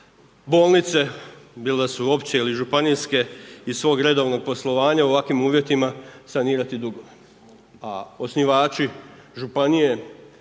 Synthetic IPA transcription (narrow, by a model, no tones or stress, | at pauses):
bo̞ːlˠnit̪se̞bilesuo̞pt͡ɕe̞iliʒupanijske̞isʋo̞ːɡɾe̞d̪o̞ʋno̞ɡ̚po̞slˠo̞ʋaːɲauʋakʋimuːʋje̞t̪imasaniːɾat̪id̪uɡo̞ | ao̞sniʋaːt͡ʃiʒupanije̞